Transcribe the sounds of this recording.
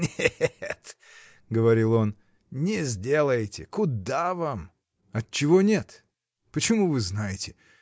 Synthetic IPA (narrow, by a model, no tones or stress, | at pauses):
nʲet̪ | ɡəvɐɾʲilˠo̞n | nʲɪzʲdʲe̞lˠəjɪtʲɪkʊd̪avam | ɐt̚t͡ɕːɪvonʲe̞t̪ | pət͡ɕɪmuvɨznajɪtʲɪ